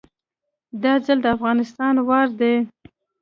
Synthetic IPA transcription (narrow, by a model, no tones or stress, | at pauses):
d̪ɑzəld̪əafɣɑnɪst̪ɑnwɑɾd̪e